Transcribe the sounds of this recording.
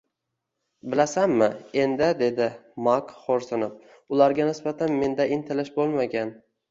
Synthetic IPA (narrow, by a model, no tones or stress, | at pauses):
bɪlasanmɪend̪ɪd̪e̞d̪ɪmakχoɾsɪnop | ʊlaɾɡʲanɪsbat̪ʰanme̞nd̪aʔɪnt̪ʰɪlɪʃbolˠmaɡʲan